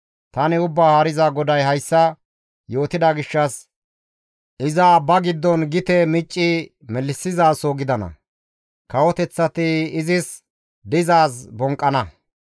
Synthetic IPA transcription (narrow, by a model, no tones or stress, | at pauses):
t̪ɐnɪʊbːaːhaːɾɪzaɡɔd̪ɐjhɐjsːɐ | jo̞ːt̪ɪd̪ɐɡɪʃːɐs | ʔɪzɐbɐɡɪd̪ːɔnɡɪt̪ɛmɪt͡ʃʼːɪ | mɛlːɪsːɪzaːsɔɡɪd̪ɐnɐ̰ | kɐwɔt̪ɛt͡sːɐt̪ɪɪzɪs | d̪ɪzaːsbɔŋkʼːɐnɐ